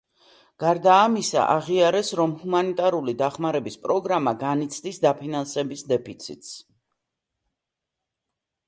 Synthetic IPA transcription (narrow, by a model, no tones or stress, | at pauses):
ɡ̥aɾd̪aːmisa̰ʔaʁiaɾɛsɾɔmhumanit̪ʼaɾulid̪aχmaɾɛbispʼɾɔɡɾamaɡanit̪sʰd̪isd̪apʰinansɛbisd̪ɛpʰit̪sʰḭt̪ʼs